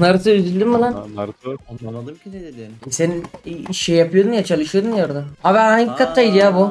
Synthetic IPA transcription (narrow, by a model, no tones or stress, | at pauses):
naɾsɯyzylʲd̪imbalˠan | sennʃejapɯjo̞d̪unjat͡ʃʰalˠɯʃɯjod̪unjoɾd̪aabaaɲɡikʰat̪ʰːajid̪ijabu